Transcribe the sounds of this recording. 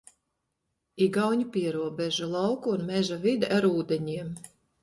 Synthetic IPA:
iɡawɲipʲiɛɾuɔbeʒulˠɑwkuːnmʲɛʒavid̪ʔaɾuːd̪eɲiɛm

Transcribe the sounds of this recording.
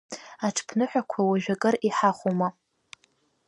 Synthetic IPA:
aʈ͡ʂʰpʰnɨħʷᶣakʷʰawaʒᶣakʼɨriħaχʷuma

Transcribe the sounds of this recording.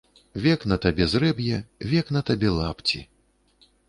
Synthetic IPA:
vʲɛknɐt̪abʲɛzrɛbjɛvʲɛknɐt̪abʲɛlˠapt͡sʲḭ

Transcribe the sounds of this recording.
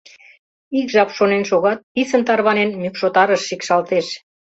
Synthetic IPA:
ikʒɑpʃonenʃoɣɑt̪̚pisənt̪ɑrβɑnenmykʃot̪ɑɾəʃːikʃɑlt̪eʃ

